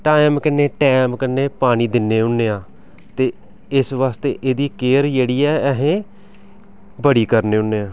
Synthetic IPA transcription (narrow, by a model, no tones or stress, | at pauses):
ʈaːɪmkɪnːeːʈɛːmkənːeːpaːɽ̃iːd̪ɪnːeːʊnːeːãː | t̪eː | ɪsʋaːst̪eːʔeːd̪iːkeːɾd͡ʒeːɽiːɛːɛɦẽː | bəɽiːkəɾneːʊnːeːãː